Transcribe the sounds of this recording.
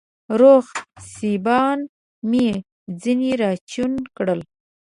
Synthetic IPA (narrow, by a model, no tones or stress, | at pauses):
ɾoxsibɑn | mi | d͡ziniɾɑt͡ʃunkɽəl